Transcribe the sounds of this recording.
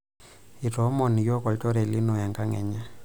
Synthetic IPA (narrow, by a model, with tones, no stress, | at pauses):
i˨tɔ˦mɔ˨ni˨jɔ˦kʼɔ˨ltʼɔ˦ɾɛ˨li˦nɔ˨ja˨ŋkʼa˦ŋɛ̰˨ɲa˦